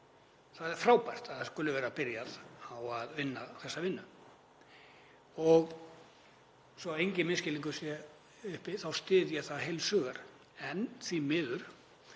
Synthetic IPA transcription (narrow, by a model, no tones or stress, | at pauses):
θaðɛɾ̥fɾaːwpajr̥t̪aðθaskʏlʏvɛːɾapɪɾjaðawaðvɪnːaθɛsːavɪnːʏ | ɔɣ | sɔejɲcɪmɪscɪliŋkʏ̥sjɛ | ʏhpɪθawst̪ɪːðjɛɣθaðɦejlsœːɣaɾ | ɛnθimɪːðʏɾ̥